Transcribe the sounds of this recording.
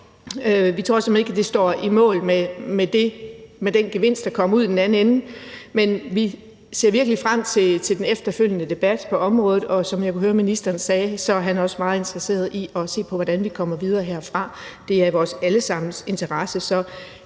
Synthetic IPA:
øʋit͡sʰʁo̰ɐsɒme̝ɡ̥æd̥e̝sd̥ɒ̰ːimɔ̰̽ːlmemed̥e̝med̥enɡ̥e̝ʋe̝n̰sd̥ɑ̈kʰɒ̽m̰uð̰ˠd̥enæn̩enn̩menʋi | se̝̰ɐ̰ʋiɐɡ̥əlifʁam̰t͡sʰe̝t͡sʰe̝ld̥enefd̥ɐføl̰jənəd̥e̝b̥æd̥pʰɒ̽ʔɒ̽mʁɔ̽ːðˠð̩ˠɒ̽sɒ̽mjakʰuɦøːɐminisd̥ɐːnsɛːsɒ̽ɦænæɐɒ̽smɑ̈ːð̞̩ˠe̝nt͡sʰʁɐse̝̰ːɐð̞ˠiʔɒ̽se̝̰ːpʰɒ̽ʋɒd̥ænʋikʰɒ̽m̰ɐʋið̞ˠɐːɦeɐ̰fʁɑ̈d̥e̝æɐʋɒːsæləsɑ̈m̰n̩se̝nt͡sʰɐʁɑ̈səsɒ̽

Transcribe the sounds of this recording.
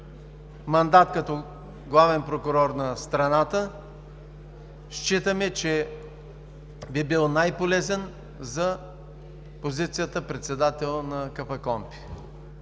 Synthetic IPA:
mɐnd̪at̪kɐt̪ɔ | ɡlˠavɛnpɾokʊɾɔɾnɐst̪ɾɐnat̪ə | ʃt͡ʃit̪əmɛt͡ʃɛ | bibilˠnajpolɛzɛn | zɐ | pozit̪sijət̪əpɾɛt̪sɛd̪at̪ɛlˠnɐkɐfɐkɔmpi̥

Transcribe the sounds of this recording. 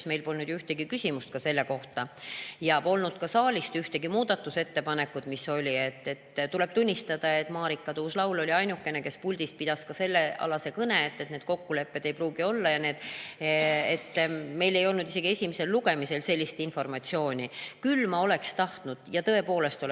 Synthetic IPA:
sme̞jlpo̞lnud̪jyht̪e̞ɡikysʲimust̪̚kɑse̞lːe̞ko̞ht̪ɑjɑpo̞lnud̪̥̚kɑsɑːlʲist̪yht̪e̞ɡimuːd̪̥ɑt̪ːˑuse̞t̪ːe̞pɑnekːud̪miso̞lʲie̞t̪ːet̪ːt̪ule̞b̥̚t̪unʲːist̪ɑd̪̥ɑe̞t̪ːˑmɑːɾikːˑɑt̪uːslɑwlo̞lʲiɑjnukːe̞ne̞ke̞spulʲd̪̥is̚pid̪̥ɑskɑse̞lːe̞ɑ̰lɑse̞kɤne̞et̪ːe̞t̪neːd̪̥ko̞kːule̞pːe̞d̪e̞jpruːɡio̞lːɑjɑneːd̪̥ | et̪ːme̞jle̞jo̞lnud̪̥ise̞ɡ̥iesʲimise̞lːuɡe̞mise̞lse̞lʲːist̪info̞rmɑt̪sio̞ːnʲikylːmɑo̞le̞kst̪ɑht̪nud̪̥jɑt̪ɤ̞e̞po̞ːle̞st̪o

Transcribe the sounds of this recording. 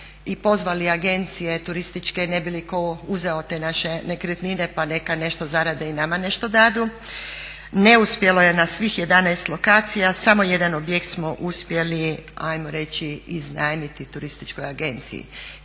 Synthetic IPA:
ipo̞zʋaliaɡe̞nt̪sije̞t̪uɾist̪it͡ʃkene̞bilikouzeo̞t̪e̞naʃe̞ne̞kɾət̪nine̞pane̞kane̞ʃt̪o̞zaɾad̪einamane̞ʃt̪o̞d̪ad̪u | ne̞uspje̞lo̞je̞nasʋixje̞d̪anajst̪lo̞kaːt̪sijasamo̞je̞d̪anobjekt̪smo̞ʔuspje̞liajmoɾe̞t͡ɕiiznaːjmit̪it̪uɾist̪i̥t͡ʃko̞jaɡe̞nt̪sḭjḭ

